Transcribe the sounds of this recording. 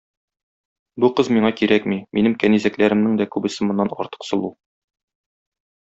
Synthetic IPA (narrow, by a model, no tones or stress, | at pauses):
buqɤzmiɴɑkiɾækmiminɘmkænizæklæɾɘ̆mnɘŋd̪ækʉbɘ̆sɘmŏnːɑnɒ̰ɾt̪ɤ̥qsɤ̆lˠu